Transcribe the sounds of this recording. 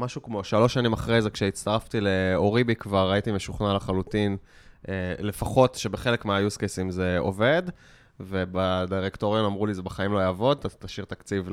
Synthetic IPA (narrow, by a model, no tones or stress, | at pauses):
maʃukmo̞ʃalo̞ʃanimaχʁejzekʃeitt͡st̪aʁaft̪ileo̞ʁibikvaʁːaitimeʃuχnalaχalutin | ele̞faχo̞tʃe̞beχe̞lekmeajuskesimze̞o̞̰ve̞d | ve̞badiʁektoʁjomamʁulizebeχaimlojaːvo̞d̪at̪aʃiʁt̪akt͡siv